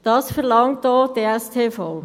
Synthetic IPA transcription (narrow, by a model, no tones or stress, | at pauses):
d̥ɑsfɛʁlɑŋtdɔːdeɛstʰeːfɔl